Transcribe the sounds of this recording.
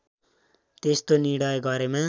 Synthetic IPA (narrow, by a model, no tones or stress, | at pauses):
t̪est̪oniɽʌjɡʌɾemã